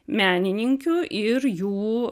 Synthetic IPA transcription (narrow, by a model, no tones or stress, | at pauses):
mʲæːnʲɪnʲɪŋʲkʲʊʔɪɾjuː